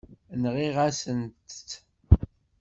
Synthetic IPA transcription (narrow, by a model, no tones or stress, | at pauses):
nʁiʁasənt̪